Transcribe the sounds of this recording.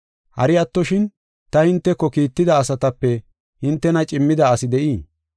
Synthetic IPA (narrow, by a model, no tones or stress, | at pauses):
hɐ̰ɾɪɐt̪ːɔʃɪn | t̪ɐhɪnt̪ːɛkːɔkiːt̪ːɪd̪ɐːsɐt̪ɐpːɛ | hɪnt̪ːɛnɐt͡ʃʼɪmːɪd̪ɐɐsɪd̪ɛʔiː